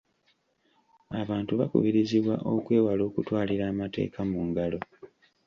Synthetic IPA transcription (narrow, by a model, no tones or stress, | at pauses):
aβaːntuβakṵβiɾiziβwaʔo̞kwe̞ːwalo̞ːkutwaːliɾaːmate̞̰ːkʰamuŋɡalo̞